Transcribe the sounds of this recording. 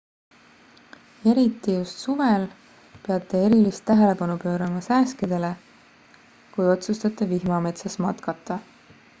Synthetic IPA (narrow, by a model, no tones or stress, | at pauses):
e̞ɾit̪ːˑijust̪suve̞l | peɑt̪ˑːe̞e̞ɾilist̪ːæɦe̞le̞pɑnupø̞ːɾɑmɑsæːskid̪̥e̞le̞ | kujo̞t̪sust̪ɑt̪ːˑe̞vihmɑme̞t̪sɑsmɑ̰t̪kɑt̪ːˑɑ